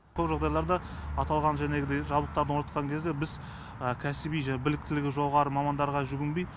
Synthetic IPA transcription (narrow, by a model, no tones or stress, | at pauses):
kʰɵpʒɑʁd̪ɑjlˠɑɾd̪ɑ | ɑt̪ɑlˠʁɑnʒæne̞ɡʲɪd̪ejʒɑblˠəqt̪ɑɾd̪ənonət̪̚qɑŋkʲʰe̞zd̪ebɪz | əkʲʰæsɪbijʒæbɪlɪk̚t̪ɪlɪɡʲɪʒo̞ʁɑɾəmɑmɑnd̪ɑɾʁɑʒʏɡʲɪnbej